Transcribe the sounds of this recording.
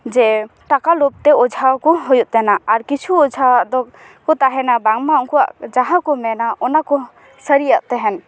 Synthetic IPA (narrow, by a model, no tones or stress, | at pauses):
d͡ʒɛʈakalup̚t̪ɛɔd͡ʒʱawkɔɦɔjuʔt̪ɛnaaɾkit͡ʃʰuɔd͡ʒʱaaʔd̪ɔ | kɔt̪aɦɛnabaŋmaɔŋkɔwa̰ʔd͡ʒaɦãkɔmɛnaɔnakɔ | səɾijaʔt̪ɛɦɛn